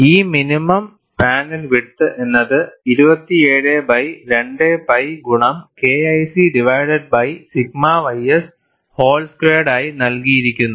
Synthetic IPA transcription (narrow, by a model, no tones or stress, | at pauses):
iːminimɐm | paːnilʋit̪ːɨʔe̞nːɐðɨiɾubɐt̪ːieːɻebɐjɾe̞ɳɖebɐjɡuɳɐmke̞ːɐjsiɖiʋɐjɖɐɖ̚bɐjsiɡ̚maʋɐjɐs | ho̞ːlskreːɽaːjinɐlkijiɾikʲːunːu